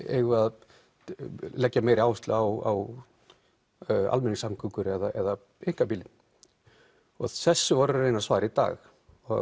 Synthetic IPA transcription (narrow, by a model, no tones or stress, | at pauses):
ḛɣvað | lɛcːameːjɾɪaːwst̪lʏawa̰w | a̰lmɛnːɪsamkʰʏŋkʏɾɛðaɛða | eŋ̥kapilːɪn | ɔ̰ɣθɛsːʏvɔɾʏrːeːjnasvaːɾɪit̪a̰ːx | ɔɣ